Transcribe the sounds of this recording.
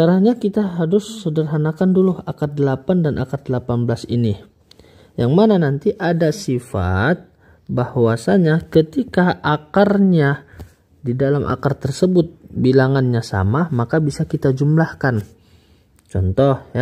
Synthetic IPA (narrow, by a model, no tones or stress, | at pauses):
kaɾaɲakit̪aɦaɾʊsːədərɦanakanduluhakat̪̚dəlapandanʔa̰kat̪̚dəlapanbəlasḭni | jaŋmananant̪iʔadasifa̰t̪̚ | bahwasaɲakət̪ikaʔakarɲa | didalamʔa̰kart̪ərsəbʊt̪̚bilaŋanɲasa̰mamakabisakit̪ad͡ʒumlahkan | t͡ʃɔnt̪ɔhja